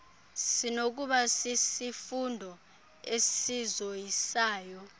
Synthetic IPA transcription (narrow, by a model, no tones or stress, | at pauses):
sinok̬uɓasisifundʱɔ | esizojisaːjɔ